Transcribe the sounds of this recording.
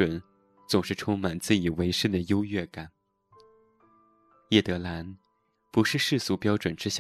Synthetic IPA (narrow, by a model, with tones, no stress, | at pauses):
ə˨˩˦n | t͡sʊ˨˩ŋʂɻ̩˥˧ʈ͡ʂʰʊ˥ŋma˨˩nt͡sɹ̩˥˩i˨˩we˧˥ɪʂɻ̩˥˩d̪ə˩jo˥ʊɥɛ˥˩ka˨˩˦n | jɛ˥˩t̪ɤ˧˥la˧˥n | pu˧˥ʂɻ̩˥˧ʂɻ̩˥˩su˧˥pjɑ˥ʊʈ͡ʂwə˨˩nʈ͡ʂɻ̩˥ɕ